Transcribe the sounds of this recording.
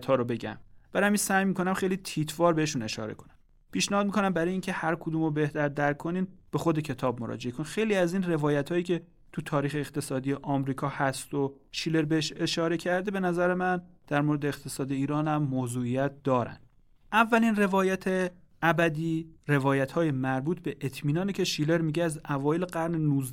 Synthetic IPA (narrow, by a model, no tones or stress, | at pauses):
t̪hɒːɾobe̞ɟæ̰mb̥æɾjæminsæjmiːkʰo̞næmxejliːt̪ʰiːt̪ʰvɒːɾbe̞heʃune̞ʃɒ̰ːɾḛkʰo̞̥næm | pʰiːʃnehɒːd̪̚miːkʰo̞næmbæɾɒːjincʰe̞hæɾkʰod̪uːmobe̞ht̪æɾd̪æɾkʰːoniːnb̥e̞xo̞d̪ecʰe̞t̪ʰɒːb̚moɾɒ̰ːd͡ʒeekʰonixe̞jliːæziːnre̞vɒːjæt̪ʰhɒːjiːcʰʲe̞ | t̪ʰut̪ʰɒːɾiːxeːxt̪ʰe̞sɒːd̪ijeʔɒːmɾiːkʰɒːhæst̪o | ʃiːle̞ɾbeheʃe̞ʃɒːɾe̞cʰæɾd̪e̞be̞næzæɾemænd̪̥æɾmoɾed̪eːxt̪ʰesɒːd̪eiːɾɒːnæmːozuːijæt̪̚d̪ɒːɾæ̰nd̪ | ʔævːælinre̞vɒːjæt̪ʰe | ʔæbæd̪iːre̞vɒːjæt̪hɒːjemæɾbuːt̪ʰbe̞ʔet̪ʰmiːnɒːnecʲʰe̞ʃiːle̞ɾmiɟeæzævɒːjeleɡæɾnenuːz